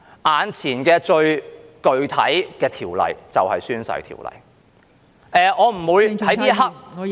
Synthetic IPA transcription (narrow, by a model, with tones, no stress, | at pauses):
ʔaː˨˧nt͡sʰiː˨˩nkɛː˧t͡ʃɵ˧ɥkɵ˧ɥt̪ʰɐ̰˨˥jkɛː˧t̪ʰiː˨˩wlɐ̰˨˩jt͡sɐ˨whɐ˨jsyː˥nsɐ̰˧˥jt̪ʰḭː˨˩wlɐ̰˨˩j | ʔɛː˨˧ɔː˨˧m̩˨˩wuː˨˧jt̪ʰɐ˨˥jt̪iː˥hɐ˥k̚